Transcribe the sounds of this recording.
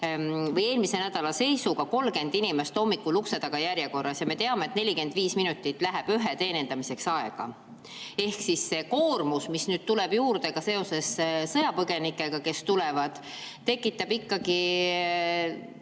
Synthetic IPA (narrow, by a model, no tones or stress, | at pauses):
vɤje̞ːlmise̞næd̪̥ɑlɑse̞jsuɡɑko̞lːke̞nd̪̥inimest̪o̞mːikːˑulukse̞d̪ɑɡ̥ɑjæɾjeko̞rːɑsjɑme̞t̪eɑmeet̪ne̞lʲike̞nd̪̥viːsminut̪ːˑit̪ːˑlæɦæb̥yɦet̪e̞ːnend̪̥ɑmise̞ksɑeɡ̥ɑ̰ | e̞hksisːe̞ko̞ːrmusmisnyːd̪̥̚t̪ulɛb̥juːrd̪̥e̞ɡ̥ɑse̞o̞se̞ssɤjɑpɤɡ̥e̞nikːˑe̞ɡ̥ɑke̞st̪ulɛvɑd̪̥ | t̪ːe̞kːˑit̪ːˑɑb̥ikːɑɡi